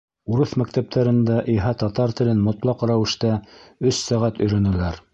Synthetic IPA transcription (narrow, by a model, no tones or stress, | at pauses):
uɾɤθmæk̚t̪æp̚t̪ʰæɾɘ̆nd̪æʔiɦɑt̪ɑt̪ɑɾt̪ɘ̆lɘnmŏt̪lˠɑqɾæwɘ̆ʃt̪æɵsːæʁæt̪ɵ̆jɾænɘ̆læɾ